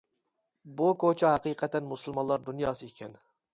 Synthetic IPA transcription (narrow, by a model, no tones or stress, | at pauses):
bukʰot͡ʃʰɑɦɛqiqʰɛt̪ʰːɛnmusɨlˠmɑnlˠɑɾd̪unjɑːsɨekʲʰɛn